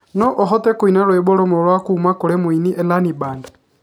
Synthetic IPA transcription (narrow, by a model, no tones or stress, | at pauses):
nɔʔɔɦɔtɛkwinaɾwɛbɔɾɔmɔlwakuːmakoɾɛmwiniʔɛlanibanda